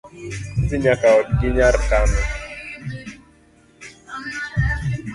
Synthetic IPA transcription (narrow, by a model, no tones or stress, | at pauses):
siɲakaɔkɪɲaɾkamɛ